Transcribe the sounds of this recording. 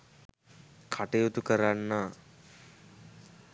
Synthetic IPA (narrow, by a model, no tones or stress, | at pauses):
kʰaʈejut̪ukəɾanːaː